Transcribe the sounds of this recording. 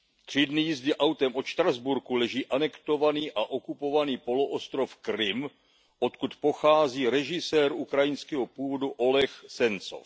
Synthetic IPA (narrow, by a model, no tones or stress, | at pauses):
t̪r̝̥ɪdnɪjɪzdɪʔawt̪ɛmʔo̞t̪ʃt̪ɾazbuɾkulɛʒiːʔanɛkt̪o̞vaniːʔaʔo̞kupo̞vaniːpo̞loʔost̪ɾo̞fkɾɪm | ʔo̞t̪kut̪po̞xaːziːɾɛʒɪsɛːɾukɾajɪnskɛɦopuːvo̞duʔo̞lɛxsɛnt͡so̰f